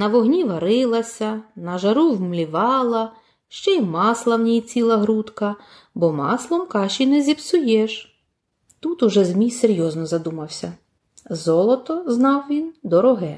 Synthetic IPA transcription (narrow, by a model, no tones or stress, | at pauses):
nɐʋɔɦnʲiʋɐɾɪlˠɐsʲɐnɐʒɐɾuwmlʲiʋɑlˠɐ | ʃt͡ʃɛimɑslˠɐwnʲijt͡sʲilˠɐɦɾut̪kɐ | bɔmɑslˠɔmkɑʃinɛzʲibsʊjɛʒ | t̪ut̪ʊʒɛzmʲijseɾʲjɔznɔzɐd̪umɐwsʲɐ̰ | zɔlˠɔt̪ɔznɑwʋʲind̪ɔɾɔɦɛ